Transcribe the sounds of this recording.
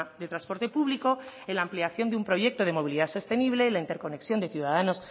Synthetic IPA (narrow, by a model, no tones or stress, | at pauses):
d̪e̞t̪ɾanspo̞ɾt̪e̞puβliko̞enlaːmpleaθjo̞nd̪eumpɾo̞ʝe̞k̚t̪o̞ð̞e̞mo̞β̞iliðaso̞st̪e̞niβ̞le̞ilaint̪e̞ɾko̞ne̞ksjo̞nd̪eθjuðaðano̞s